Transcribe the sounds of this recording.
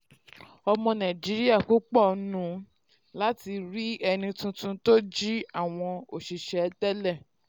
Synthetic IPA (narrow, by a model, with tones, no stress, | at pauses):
ɔ˧mɔ̃˧nã˨d͡ʒi˨˦ɾi˦a˦˨ku˨˦k͡pɔ˦˨˦nũ˨˦ | la˦ti˧ɾi˦ɛ˧nĩ˧tũ˧˦tũ˧to˦d͡ʒi˦a˦˨w̃ɔ̃˧o˨ʃi˨ʃɛ˧dɛ˦lɛ˦˨